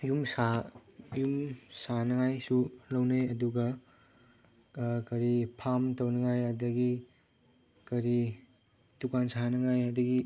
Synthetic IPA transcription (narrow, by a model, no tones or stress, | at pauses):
jumsajumsanɐŋajsulɐwneɐduɡɐ | kɐɾipʰamtɐwnɐŋajadɐɡi | kɐɾi | tukansanɐŋajadɐɡi